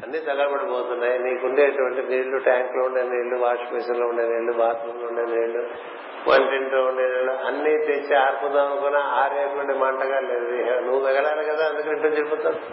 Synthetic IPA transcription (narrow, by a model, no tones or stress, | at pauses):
ɐnːit̪ɐɡɐlɐbɐɽʈːipoːt̪unːaːjiniːkuɳɖeːʈuʋɐɳʈiʋiːɭːuʈaːŋkloːuɳɖeːniːɭːuʋaːɾʂpeːsɐɾloːuɳɖeːniːɭːubaːt̪uloːuɳɖeːniʋiːɭu | mʔɐ̰ɳʈiɳʈloːuɳɖeːniːɭːuɐnːit̪eɲt͡ʃiaːɾpund̪aːkonaaːɾeːknuɳɖimaːɳʈɐɡaːleːd̪inuʋːuʋɛɡɐɽaːlikɐd̪aːɐnd̪ukiiʈːɐmd͡ʒeɾuput̪ːaː